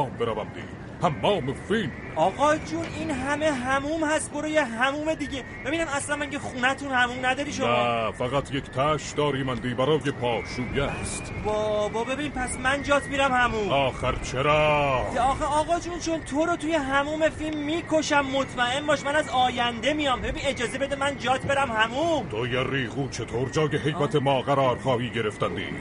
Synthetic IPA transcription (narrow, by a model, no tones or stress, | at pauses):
mbeɾævænd̪ḭː | hæmːɒːme̞film | ɒːɣɒːjd͡ʒuninɦæme̞ɦæmuːmhæst̪̚boɾojeɦæmuːme̞d̪iɟe | be̞biːnæmæslænmæŋcʰexuːnæt̪ʰunhæmuːmnæd̪ɒːɾiːʃofæɣæt̪ʰjekʰt̪ʰæʃd̪ɒːɾiːmænd̪iːbæɾɒːjepʰɒːʃuːjæst̪bɒːbɒbe̞bimpʰæsmænd͡ʒɒːt̪ʰmiːɾæmhæmumɒːxæɾt͡ʃʰeɾɒːeɒːxeɒːɣɒːd͡ʒunt͡ʃʰo̞nt̪ʰo̞ɾot̪ʰujeɦæmuːme̞filmːiːkʰo̞ʃæmːo̞t̪ʰmæʔe̞nbɒːʃmænæzɒːjænd̪e̞mijɒːmbebined͡ʒɒːzebe̞d̪emænd͡ʒɒːt̪ʰbe̞ɾæmhæmumt̪ʰojeriːɣuːt͡ʃʰet̪ʰoːɾd͡ʒɒːjeɦe̞jbæt̪ʰemɒːɣæɾɒːɾxɒːhiːɟe̞ɾeft̪ænd̪ḭː